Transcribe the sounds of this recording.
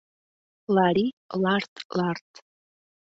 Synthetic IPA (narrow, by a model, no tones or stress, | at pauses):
laɾilart̪lart̪